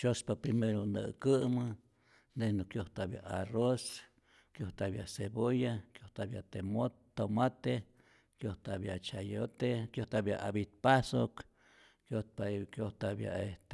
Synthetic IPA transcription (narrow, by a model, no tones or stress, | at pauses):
t͡ʃospapɾimeɾonə̰kɨmɨ | nd̪ehnukjoht̪abja̰ʔaros | kjoht̪abjaʔsebojakjoht̪abjat̪emo | t̪ːomat̪e | kjoht̪abjat͡ʃajot̪ekjoht̪abja̰ʔabit̪̚pasok | kjot̪̚pakjoht̪abja̰eht̪